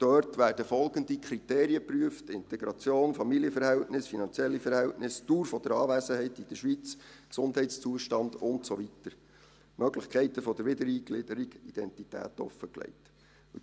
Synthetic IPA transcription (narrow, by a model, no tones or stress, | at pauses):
d̥œrtʋæːrd̥əfɔlɡəndikʰɾiteːɾiəpryəftɪntɛɡɾɑt͡sjoːnfɑmiliəfəɾhɛltnɪsfinɑnt͡sjɛlːifəɾhɛltnɪstuːɾfɔd̥̪əɾɑːʋæːsəɦɛɪtid̥əʃʋit͡sksʊndɦɛɪtst͡suəʃtɑndʊntsɔvitəɾ | mœɡləχkʰɛɪtəfɔd̥̪əɾʋɪdəɾiːɡlɪd̥əɾiɡid̥ɛntitæ̰ːtɔ̰fːəklɛ̰ɪt